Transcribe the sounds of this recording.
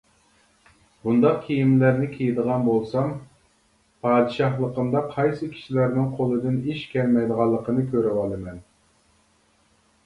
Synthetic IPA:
bund̪ɑq̚kʲʰijimlæɾnɪkʲʰejid̪əʁɑnbolˠsɑm | pʰɑːd̪ɨʃɑχlˠəqəmd̪ɑqʰɑjsɨkʲʰi̥ʃilæɾnɪŋqʰolˠɨd̪ɪniʃkʲɛɾmɛjd̪əʁɑlˠːəqʰənɨkʲʰøɾɪwɑlˠɨmɛn

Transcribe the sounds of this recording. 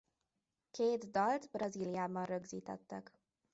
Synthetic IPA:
keːd̪d̪ɒlt̪brɒziːlijaːbɒnrøɡziːt̪ɛ̰t̪ːɛk

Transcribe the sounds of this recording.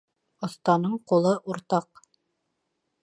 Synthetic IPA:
ŏθt̪ɑnɤɴqulˠɤʔuɾt̪ɑq

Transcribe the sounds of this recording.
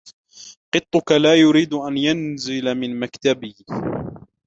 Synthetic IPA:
qɨt̪ˤːʊkalaːjʊɾiːd̪ʔanjanzɪlamɪnmakt̪abɪh

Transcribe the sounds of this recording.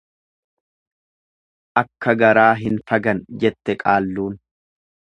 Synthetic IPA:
ʔɐkːɐɡɐɾaːɦɪnfɐɡɐnd͡ʒɛt̪ːɛkʼaːlːuːn

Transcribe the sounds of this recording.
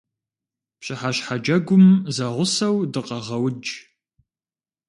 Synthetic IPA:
pɕʼɪħaɕħad͡ʒɐɡʷʊmzɐʁʷʊsɐwdɨqʼɐʁɐwd͡ʒ

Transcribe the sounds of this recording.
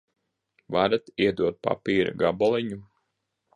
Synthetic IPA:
vaɾat̪iɛd̪uɔt̪̚pa̰piːɾa̰ɡabɔlˠiɲu

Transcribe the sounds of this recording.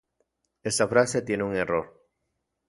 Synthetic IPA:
esafɾaset̪jenuŋeroɾ

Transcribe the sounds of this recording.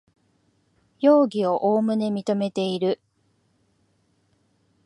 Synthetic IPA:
joːɡʲio̞ʔoːmɯ̟nemʲit̪o̞me̞t̪e̞iɾɯ̟

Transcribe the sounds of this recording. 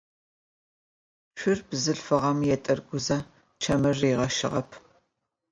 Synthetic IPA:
ʃʷʰɪrbzɨɬfɨʁɐmjɛtʼɐrɡʷʊzɐ | t͡ʃʰɐmɐrːiːʁɐʃɪ̰ʁɐpʰ

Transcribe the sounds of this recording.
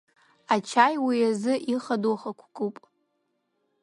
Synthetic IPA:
at͡ʃʰajwiazɨʔiχaduχakʷʰkʼupʼ

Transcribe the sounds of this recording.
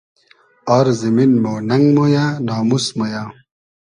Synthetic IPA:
ɔɾziminmownɐŋɡmojanaːmusmoja

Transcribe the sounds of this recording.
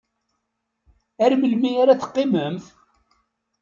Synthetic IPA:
æɾməlmijaɾaθə̥qːɪməmθ

